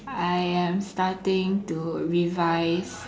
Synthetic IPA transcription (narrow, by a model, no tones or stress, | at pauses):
ajɛ̃mstatɪ̃ŋtuɹivajs